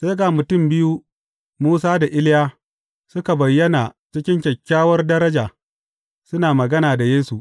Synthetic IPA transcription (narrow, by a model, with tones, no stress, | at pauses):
seː˦ɡaː˨mʊ˨tʊ˦˨mbɪ˦ju˦ | muː˦saː˦da˨ʔɪ˦lɪ˦jaː˦ | sʊ˦ka˨bɐ˨jːɐ˦na˨t͡ʃɪ˦kʲɪ˦ŋkʲɐ˨kʲːaː˦wɐ˦rdɐ˦ɾɐ˦d͡ʒaː˨ | sʊ˦naː˨mɐ˨ɡɐ˦naː˨da˨jeː˦su˨ʔ